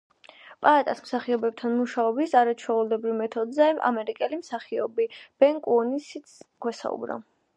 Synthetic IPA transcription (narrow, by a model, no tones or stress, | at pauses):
pʼaat̪ʼasmsaχiɔbɛb̚t̪ʰanmuʃaɔbisaɾat͡ʃʰwɛulɛbɾivmɛt̪ʰɔd̪zɛʔa̰mɛɾikʼɛlimsaχiɔbib̥ɛŋkʼɔnisit̪skʰwɛsa̰ṵbɾa̰